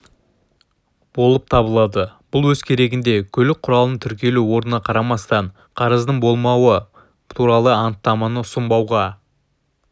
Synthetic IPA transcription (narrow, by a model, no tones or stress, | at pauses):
b̥o̞lˠəp̚t̪ʰɑbəlˠɑd̪əb̥ʊlˠwɵz̥kʲʰe̞ɾe̞ɡʲɪnd̪e̞kʲʰɵlɪk̚qʰʊɾɑlˠənəɴt̪ʰʏɾkʲe̞luwo̞ɾnənɑqʰɑɾɑmɑst̪ɑɴ | qʰɑɾəzd̪əɴbo̞lˠmɑwə | t̪ʰuɾɑlˠəɑnt̪ːɑmɑnəʊsʊmbɑwʁɑ